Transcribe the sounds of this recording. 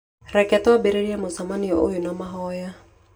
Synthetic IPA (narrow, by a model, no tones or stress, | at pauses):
ɾɛkɛtɔwabeɾeɾiamosamaniɔʔojunamaɦɔja